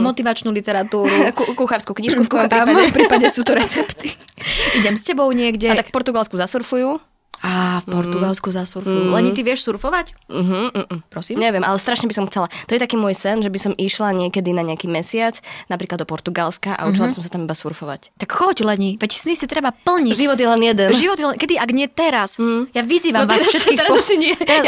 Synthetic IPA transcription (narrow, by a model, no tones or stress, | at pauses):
mɔt̪iʋat͡ʃnuːlit̪ɛɾat̪uːɾukukuxaɾskukɲiːʃkuɔmivmɔjɔmpɾiːpaɟɛsuːt̪ɔɾɛt͡sɛpt̪iiɟɛmscɛbɔʊɲɪɛɡɟɛaakfpɔɾt̪uɡalˠskuzasuɾfuju | aːfpɔɾt̪uɡalskuzasuɾfujulɛɲit̪iʋɪɛʃsuɾfɔʋacm̩ɦm̩ːʔ̩pɾɔsiːmɲɛʋɪɛmʔa̰lɛst̪ɾaʃɲɛbisɔmxt͡sɛlat̪ɔjɛt̪akiːmʊɔjsɛnʒɛbisɔmiʃlaɲɪɛkɛd̪inaɲɛakiːmɛsɪat͡snapɾiːklad̪ɔpɔɾt̪uɡalskaʔa̰ut͡ʃilabisɔmsat̪amibasuɾfɔʋa̰ct̪akxɔclɛɲiʋɛcsnisit̪ɾɛbapl̩ɲiʒiʋɔd̪jɛlɛnjɛd̪ɛnʒiʋɔt̪jɛlɛnkɛd̪iaɡɲɪɛt̪ɛɾas̩jaʋiziːʋaʋaːsʃɛt̪kiːɛɾsiɲɪɛɛɾa